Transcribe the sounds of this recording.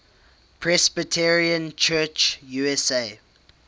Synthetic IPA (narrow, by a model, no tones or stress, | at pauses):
pʰɹɛsbətʰɛɹiə̃nt͡ʃʰɜːt͡ʃjuɛseɪ